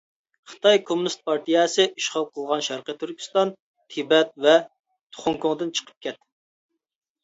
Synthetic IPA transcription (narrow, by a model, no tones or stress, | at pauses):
χə̥t̪ʰɑjkʰomunist̪̚pɑɾt̪ijɛsɨʔiʃχɑlˠqʰəlˠʁɑnʃæɾqət̪ʰyɾkʲʰy̥st̪ɑn | t̪ʰibɛt̪̚vɛ | t̪ʰʊ̥χʊŋkʊŋd̪ɨnt͡ʃʰə̥qʰə̥p̚kʲʰɛt̪